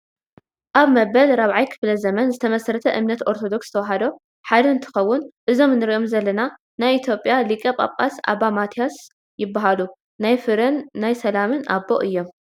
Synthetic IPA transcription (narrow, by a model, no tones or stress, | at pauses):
ʔaβmɐbɐlɾaβʕajkʰɨ̥flɐzɐmɐnzɨt̪ʰɐmɐsɾɐt̪ʰɐʔɨmnɐt̪ʔo̞ɾt̪ʰo̞d̪o̞ksɨt̪ʰɐwɐɦɐd̪o̞ | ħad̪ɐɨnt̪ʰɨ̥xɐwːʊnʔɨzo̞mnɨɾiʔo̞mzɐlːɐna | najit̪ʰjo̞pʼjalikʼɐpʼa̰βkʼa̰sa̰bamat̪ʰijas | jɪbːaɦalu | najfɨɾɨnːajsɐlamɨnʔa̰bːo̞̰ʔɨjːo̞m